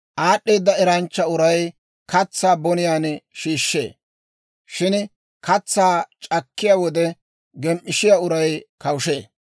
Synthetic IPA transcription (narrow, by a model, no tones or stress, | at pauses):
ʔaːɗːeːd̪ːɐɛɾɐnt͡ʃːɐʊɾɐj | kɐt͡sːaːbɔnɪjaːnʃiːʃːḛː | ʃɪn | kɐt͡sːaːt͡ʃʼɐkːɪjaːwɔd̪ɛ | ɡɛmʔɪʃɪjaːʊɾɐjkɐwʊʃeː